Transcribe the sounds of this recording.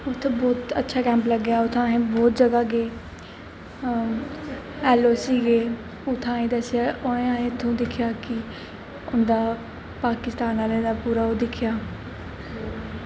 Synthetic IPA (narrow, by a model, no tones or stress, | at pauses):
ʊt̪ʰːebɔːt̪ə̰tːʃʰaːkɛ̃ːmpləɡːjaːʊt̪ʰːãːẽːbɔːt̪̚d͡ʒəɡaːɡeː | ɛːloːsiːɡeː | ʊt̪ʰːãːĩːd̪əsɪjaːʔoẽːãːẽːt̪ʰːõːd̪ɪkʰːjaːkɪ | ʊnd̪aː | paːkɪst̪aːnaːlẽːd̪aːpuːɾaːoːd̪ɪkʰɪjaː